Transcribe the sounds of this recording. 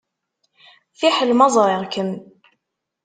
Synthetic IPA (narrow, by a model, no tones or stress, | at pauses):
θiħəlmɑzˤɾeɾkən